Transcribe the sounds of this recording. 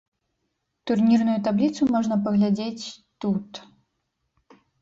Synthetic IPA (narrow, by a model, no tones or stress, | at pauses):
t̪urnʲirnujut̪ablʲit̪sumɔʐnɐpɐɣlʲad͡zʲet͡sʲt̪ut̪